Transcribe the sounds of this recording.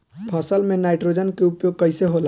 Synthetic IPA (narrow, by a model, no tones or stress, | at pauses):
pʰəsəlmenajʈɾod͡ʒənkeupjoɡ̚kəjseɦola